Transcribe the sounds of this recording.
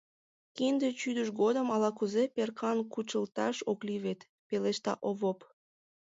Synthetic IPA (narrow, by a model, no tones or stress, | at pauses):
kind̪et͡ɕyd̪əʃɡod̪əmɑlɑkuzeperkʰɑnkut͡ɕəlt̪ɑʃokliβet̪ | peleʃt̪ɑ̰ʔoβop